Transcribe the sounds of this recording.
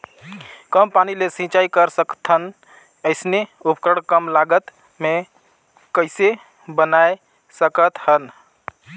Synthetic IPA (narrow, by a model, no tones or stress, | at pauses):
kəmpanilesĩt͡ʃajkəɾsəkt̪ʰən | əɪsneupkəɽkəmlaɡət̪ | me | kəɪse | bənaj | səkət̪hən